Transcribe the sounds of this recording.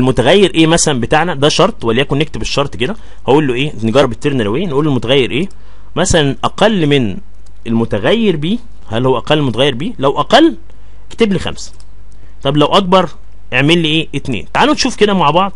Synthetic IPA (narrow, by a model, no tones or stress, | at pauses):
elmot̪æɣæjːeɾʔeːmæsælæmbet̪aːʕnæd̪æʃɑɾˤt̪ˤwælːiːʔækonːek̚t̪ebeʃːɑɾˤt̪ˤked̪æ | hæʔuːlːoʔeːneɡɑrˤːɑbet̪ːeɾnæɾæwejːænʔuːlːelmot̪æɣæjːeɾʔeː | mæsælænʔæqælːmen | elmot̪æɣæjːeɾbiː | hælhowːæʔæqælːelmot̪æɣæjːeɾbiːlæwʔæqælː | ke̥t̪eblixæ̰ms | t̪ˤɑblæwʔæk̚bɑɾˤ | ʔeʕmelːiːʔeːʔet̪nḛːnt̪aʕalnt̪ʃuːfked̪æmaʕbɑʕd̪ˤ